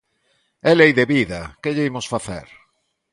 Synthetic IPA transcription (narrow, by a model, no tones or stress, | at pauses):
ɛlejðeβiðɐkeʎeimʊsfaθḛɾ